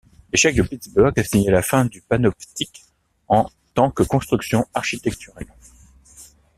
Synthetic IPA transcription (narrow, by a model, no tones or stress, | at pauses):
leʃɛk̚d̪əpət̪ibœʁɡasiɲelafɛ̃d̪ypanɔpt̪ik | ɑ̃ | t̪ɑ̃kəkɔ̃st̪χyksjɔ̃aʁʃit̪ɛk̚t̪yʁal